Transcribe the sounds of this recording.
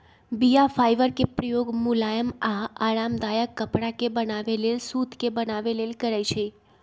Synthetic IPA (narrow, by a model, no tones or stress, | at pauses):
bijafajʋəɾkepɾəjoɡmulajəmaaɭamd̪ajəkːəpɽakebənaʋelelsut̪kebənaʋelelkəɾajt͡ʃʰe